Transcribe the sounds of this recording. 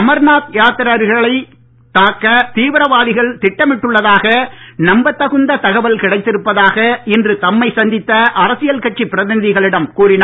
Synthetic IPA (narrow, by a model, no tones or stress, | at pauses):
ɐmɐɾnaːt̪jaːt̪ɪɾaɾɣɐɭɐɪ | t̪aːkːɐt̪iːʋɪɾɐʋaːɽɪɣɐɭt̪ɪʈːɐmɪʈːɯɭːɐðaːɣɐnɐmbɐt̪ːɐɣɯnd̪ɐt̪ɐɣɐʋɐlkɪɽɐɪt̪ːɪɾɯpːɐðaːɣɐɪndrɯt̪ɐmːɐɪsɐnd̪ɪt̪ːɐʔɐɾɐsɪjɐlkɐʈ̚t͡ʃːipːɪɾɐðɪnɪðɪɣɐɭɪɽɐmkuːɾɪna